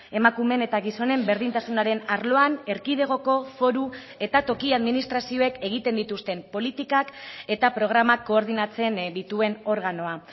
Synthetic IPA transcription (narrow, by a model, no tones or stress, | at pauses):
e̞makume̞ne̞t̪aɣiso̞ne̞mbe̞ɾð̞int̪asunaɾe̞naɾlo̞ane̞ɾkið̞e̞ɣ̞o̞ko̞fo̞ɾu | e̞t̪at̪o̞kiaðminist̪ɾasio̞e̞ke̞ɣ̞it̪e̞nd̪it̪ust̪e̞mpo̞lit̪ikake̞t̪apɾo̞ɣ̞ɾamakːo̞ːɾð̞inat͡se̞nd̪it̪ue̞no̞ɾɣano̞a